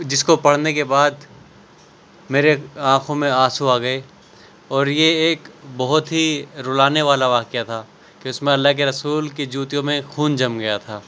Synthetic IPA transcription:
d͡ʒɪskopɐɽ̤nekebaːd̪ | meːɾeãːkʰõmẽaːsuaːɡɐe | ɔːɾjeeːkbɐɦʊt̪ɦiɾʊːlaːneʋaːlaʋaːkijat̪ʰaː | keʊsmẽɐlːaɦkeɾɐsuːlkid͡ʒuːt̪ijõmẽxuːnd͡ʒɐmɡɐjat̪ʰaː

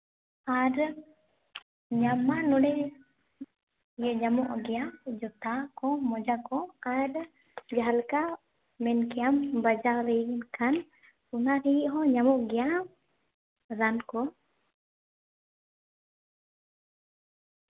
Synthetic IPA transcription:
aɾ | ɲamanɔɽɛ | jɛɲamɔʔɡɛjad͡ʒɔt̪akɔmɔd͡ʒakɔaɾ | d͡ʒaɦalka | mɛnkɛjambəd͡ʒaɾɛjnkʰan | unaɾijiʔɦɔɲamɔʔɡɛja | ɾankɔ

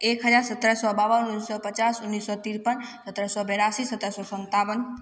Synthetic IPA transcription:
ekɦəzaːɾsət̪ɾəsɔbaːʋənunisɔpət͡ʃasʊnːisːɔt̪iɾpənsət̪ɾəsɔbɛɾasiːsət̪ɾəsɔːsənt̪aːʋən

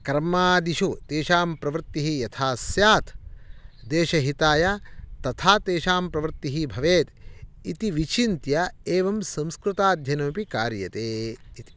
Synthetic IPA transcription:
kɾɐmaːd̪iʃut̪eːʃaːmpɾɐʋɾt̪ːiɦijɐt̪ʰaːsjaːt̪ʰ | d̪eːʃɐɦit̪aːjat̪ɐt̪ʰaːt̪eːʃaːmpɾɐʋɾt̪ːiɦibʱɐʋeːt̪it̪iʋit͡ʃint̪jɐeːʋɐmsɐ̃mskɾut̪aːd̪ʱjɐnɐmpikaːɾjɐt̪eːit̪i̥

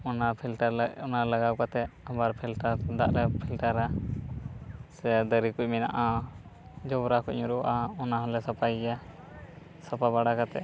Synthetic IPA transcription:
ɔnapʰilʈaɾɔnalaɡawkat̪ɛabaɾpʰilʈaɾd̪a̰ʔlɛpʰilʈəɾa | sɛd̪əɾikuc̚mina̰ʔa | d͡ʒɔbɾakuc̚ɲuɾuwʔaɔnaɦɔlɛsapaja | sapabaɽakat̪ɛ̰ʔ

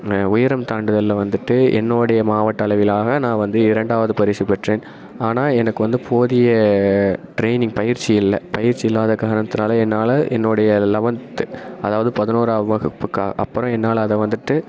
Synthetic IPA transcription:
ʊjɪɾɐmt̪aːɳɖɯðɐlːɐʋɐnd̪ɯʈːɯʔɛ̰nːoːɽɐjɐmaːʋɐʈːɐɭɐʋɪlaːɣɐnãːʋɐnd̪ɯɪɾɐɳɖaːʋɐðɯpɐɾɪɾsipɛʈreːn | aːnaːlɛnɐkːɯʋɐnd̪ɯpʰoːðɪjɐ | ʈɾeɪnɪŋɡpɐjɪɾt͡ʃːiɪlːɐpɐjɪɾt͡ʃːiɪlːaːðɐkːaːɐnɐt̪ːɪnaːlɐɛnːaːlɐʔɛnːoːɽɐjɐlɐʋɐnt̪ːɯɐðaːʋɐðɯpɐðɪnoːɾaːʋɐʋɐɣɐpːɯkːaːɣɐ̰ʔɐ̰pːɯɾɔ̃ɛnːaːlɐðɐʋɐnd̪ɯʈːɯ

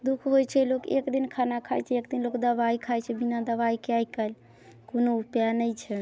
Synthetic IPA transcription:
d̪ukʰɦojt͡ʃʰɛlokḛkd̪inkʰanakʰajt͡ʃʰɛekd̪inlokd̪əβaikʰajt͡ʃʰɛbinad̪əβaikeaikəl | konoupjanəjt͡ʃʰɛ

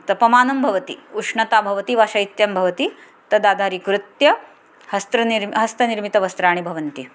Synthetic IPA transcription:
t̪ɐpɐmaːnɐmbʱɐʋɐt̪ḭuʂɳɐt̪aːbʱɐʋɐt̪iʋaːʃɐjt̪jɐmbʱɐʋɐt̪i | t̪ɐd̪aːd̪ʱaːɾikɾut̪jɐ | hɐst̪ɾɐniɾmɦɐst̪ɐniɾmit̪ɐʋɐst̪ɾaːɳ̃ibʱɐʋɐnt̪i

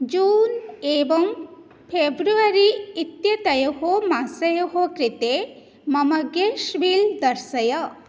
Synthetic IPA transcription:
d͡ʒuːneːbɐŋ | pʰebɾuɐɾiːt̪jɐt̪ɐjɐɦomasɐjɐɦokɾit̪e | mɐmɐɡeʃʋild̪ɐɾsɐjɐ

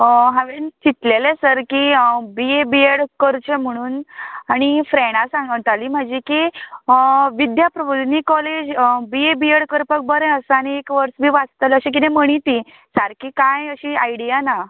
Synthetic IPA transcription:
ɦãʋent͡ɕit̪lelesəɾkibiebieɽkəɾt͡ɕəm̤əɽ̃uːnaɽ̃ifɾeɽ̃asãŋɡt̪aliːm̤ad͡ʑiki | ʋid̪japɾəbud̪niːkɔled͡ʑbiebieɽkəɾpək̚bəɾẽəsaniekʋəɾsbʱiːʋat͡st̪ələɕẽk̬it̪ẽm̤əɽ̃it̪i | saɾkiːkãjəɕiajɽijana

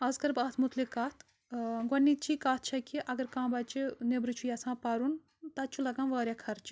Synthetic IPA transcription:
ɐzkɐɾbaːt̪ʰmut̪likaːt̪ʰ | ɡʷɐnːit͡ʃikaːt̪̚ʰt͡ʃʰɐkiʔɐɡɐɾkãːbɐt͡ʃinebɾɨt͡ʃʰujasãːpɐɾun | t̪ɐt͡ʃʰulɐɡãːnʋɐːɾʲjakʰɐɾt͡ʃi̥

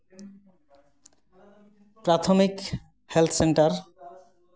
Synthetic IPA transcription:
pɾat̪ʰomik | helt̪ʰseɳʈaɾ

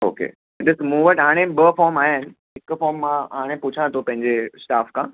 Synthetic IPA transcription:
o̰ːkḛ | ɖɪsmũːʋəʈɦaːɽ̃ẽbəfɔːɾmaːjanɪ̆ | ɦɪkfɔːɾmːãɦaːɽ̃ẽpʊt͡ɕʰãt̪ʰopɐ̃ɦɪ̃ɲd͡ʑesʈaːfkãː

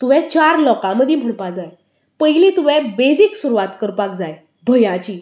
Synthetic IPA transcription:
t̪uʋɛ̃t͡ɕaɾlɔkãməd̪ʱim̤əɳpad͡zaj | pəɦjlet̪uʋɛ̃bed͡ziksuɾuʋat̪kəɾpakd͡zaj | bʱəjãt͡ɕiː

